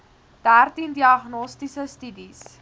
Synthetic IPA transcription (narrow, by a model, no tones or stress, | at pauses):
d̥ærtindiɐχnɔstisəstydis